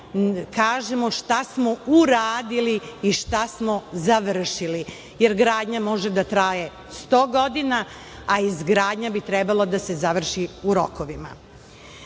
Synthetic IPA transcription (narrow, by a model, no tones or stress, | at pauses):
kaːʒemo̞ʃt̪asmouɾaːd̪iliːʃt̪asmo̞zaʋr̩ʃili | jeɾɡɾaːd̪ɲamo̞ʒe̞d̪at̪ɾaːje | st̪o̞ːɡo̞d̪ina | aizɡɾaːd̪ɲabit̪ɾɛbalˠad̪ase̞zaʋr̩ʃiuɾo̞̰koʋima̰